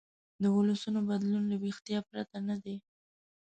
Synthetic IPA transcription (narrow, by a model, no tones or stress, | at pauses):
d̪əʊləsunobad̪lunləwext̪ijɑpɾat̪anad̪e